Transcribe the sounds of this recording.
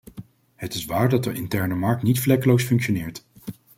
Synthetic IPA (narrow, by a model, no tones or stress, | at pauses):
ɦətɪsʋaːɹdɑtəʔɪntɛɹnəmɑɹk̚tnitflɛkəlowsfɵŋkʃonɪːɹt